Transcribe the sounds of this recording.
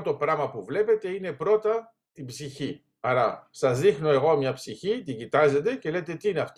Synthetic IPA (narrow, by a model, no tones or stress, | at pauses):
t̪o̞pɾɐmɐpuvle̞pe̞t̪e̞ine̞pɾo̞t̪ɐ | t̪ibsiçi | ɐɾɐsɐzðixno̞e̞ɣo̞mɲɐpsiçit̪iɟit̪ɐze̞t̪e̞ce̞le̞t̪e̞t̪iineɐft̪